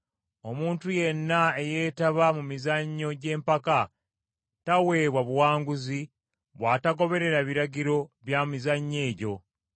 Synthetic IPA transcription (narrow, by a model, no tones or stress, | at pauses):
o̞muːntuje̞nːaeje̞ːtaβamumizaɲːo̞ɟe̞ːmpaka | tawe̞ːβwaβuwaːŋɡuzi | βwaːtaɡo̞βe̞ɾe̞ɾaβiɾaɟiɾo̞βjamizaɲːe̞ːɟo̞